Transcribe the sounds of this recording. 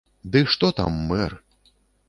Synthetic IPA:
d̪ɨʂt̪ɔt̪a̰mːɛr

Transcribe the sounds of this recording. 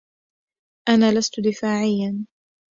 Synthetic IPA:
ʔanaːlast̪ʊd̪ɪfaːʕɪjːan

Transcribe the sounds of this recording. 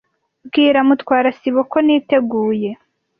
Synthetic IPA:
bɡiːɾamutkwaːɾasiβokoniːte̞ɡuːje̞

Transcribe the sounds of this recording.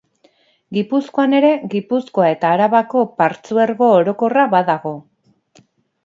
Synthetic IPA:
ɡipusko̞ane̞ɾe̞ɣipusko̞ae̞t̪aːɾaβako̞paɾt͡sueɾɣo̞ːɾo̞ko̞raβaðaɣ̞o̞

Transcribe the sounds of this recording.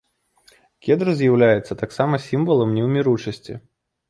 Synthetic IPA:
kʲɛd̪ɾɨzʲjawlʲajɛt̪sɐt̪aksamɐsʲimvɐlˠɐmnʲɛwmʲiɾut͡ʂɐsʲt͡sʲḭ

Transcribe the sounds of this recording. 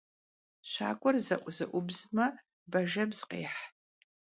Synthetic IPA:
ʃʷa̰ːkʷʼɔrzɐ̰ʔʷʼʊzɨ̰ʔʷʊbzmɐ | bɐʒɐbz̥qʼḛːħ

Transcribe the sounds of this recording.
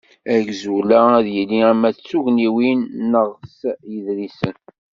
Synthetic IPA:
æɡzulææðjəlːiæmæt͡sːuʝniwinːəʁsjəðɾisən

